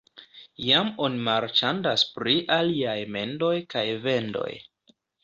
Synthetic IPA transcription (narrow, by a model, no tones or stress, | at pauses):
jamo̞nimaɾt͡ʃandaspɾiʔaliajme̞ndo̞jkajve̞ndo̞̰j